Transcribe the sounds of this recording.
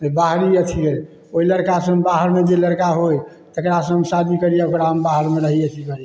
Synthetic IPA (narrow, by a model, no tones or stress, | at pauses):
ebaɦɾiət̪ʰiəj | oiləɾkasə̃ɦmbaɦəɾmed͡ʒeləɾkaɦoj | t̪əkɾasə̃ɦəmsad̪ʱikəɾijeokɾaɦəmbaɦəɾmeɾəɦiət̪ʰikəɾie